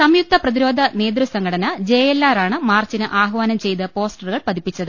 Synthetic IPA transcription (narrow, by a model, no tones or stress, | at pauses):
sɐmjuk̚t̪ʰɐprɐðiɾo̞ːd̪ʱɐneːd̪rɨsɐŋɡʰɐɽɐnɐd͡ʑe̞ːjelːaːɾaːɳɨmaːrt͡ɕinɨʔaːɦɐʋaːnɐmt͡ɕe̞jt̪ɐpo̞ːsʈɐruɣɐɭpɐd̪ipːit͡ɕːɐðɨ